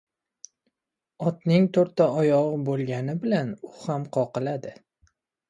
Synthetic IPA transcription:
ɒt̪nɪŋt̪ʰoɾt̪ːaɒjɒʁɨbolˠɡʲanɪbɪlanʊhamqʰɒqɨlad̪ɪ

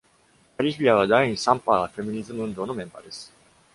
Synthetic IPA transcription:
kaɾʲiçʲiaβad̪aɲ̃ĩsãmpaafe̞mʲiɲ̟izɨmɯɯ̃nd̪o̞ːno̞mẽ̞mba̰d̪e̞sɨ̥

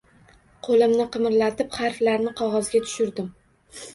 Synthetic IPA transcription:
qʰolɪmnɪqʰɨmɾlat̪ʰɪpχɑɾflaɾnɪqʰɒʁɒzɡʲat̪ʰʊ̥ʃʊɾd̪ɪm

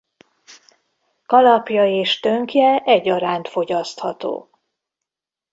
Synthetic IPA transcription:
kɒlɒpjɒeːʃt̪øŋkjɛʔɛɟːɒɾaːnt̪fo̞ɟɒst̪hɒt̪o̰ː

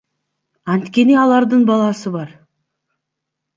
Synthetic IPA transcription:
ɑnt̪kʲe̞neɑlˠɑɾd̪əɴbɑlˠɑsəbɑɾ

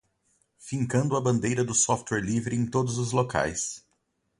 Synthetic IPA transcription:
fĩŋkɐ̃nd̪ʊɐbɐ̃nd̪ejɾɐd̪ʊsɔft̪wɛɾlivɾɪẽj̃t̪od̪ʊzʊzloka̰js

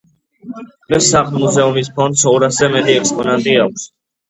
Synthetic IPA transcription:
d̪̥ʁɛsːaχʰʼlˠmuzɛumispʰɔnd̪sɔɾaszɛmɛt̪ʼiɛkspʼɔnant̪ʼiak̚ʷʰs

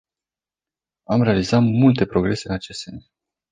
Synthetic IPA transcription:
amɾe̞alizat̪mult̪e̞pɾo̞ɡɾe̞se̞ɨnat͡ʃe̞st̪se̞̰ns

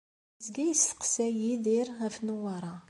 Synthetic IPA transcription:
zɡæjəstə̥qsæjiðiɾʁæfnuwɑɾˤɑ

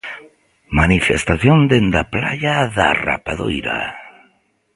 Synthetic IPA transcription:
manifest̪aθjond̪end̪aplaʎaða̰ra̰paðojɾa̰

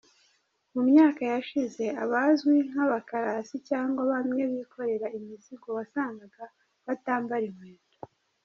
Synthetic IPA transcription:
mumɲaːkajaʃize̞aβazɡwiŋ̥haβakaɾasicaːŋɡwaβamŋe̞βikʰo̞ɾe̞ɾaimisiɡoβasaːŋɡaɡa | βataːmbaɾimweːto

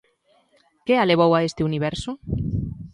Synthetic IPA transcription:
kealeβ̞owaest̪ɪuniβ̞ɛɾso

